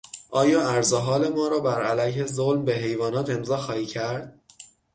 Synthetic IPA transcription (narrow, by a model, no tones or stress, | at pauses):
ʔɒːjɒːæɾzeɦɒːle̞mɒːɾɒːbæɾælæjhe̞zolmbe̞ɦe̞jvɒːnɒːt̪ʰe̞mzɒːxɒːhiːcʰæɾd̪̥̚